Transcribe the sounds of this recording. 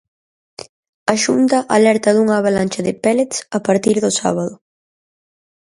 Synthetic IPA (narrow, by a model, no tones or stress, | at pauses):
ɐʃunt̪ɐʔalɛɾt̪ɐðuŋɐaβalanʲt͡ʃɐðɪpɛlet̪sɐpaɾt̪iɾðʊsa̰βɐðʊ